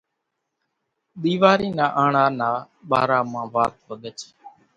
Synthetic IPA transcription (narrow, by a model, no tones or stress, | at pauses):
ɗ̪iːʋaːɾiːnãːʔaːɳaːnaː | ɓa̰ːɾaːmãːʋaːt̪̚ɦoːɗ̪ət͡ʃ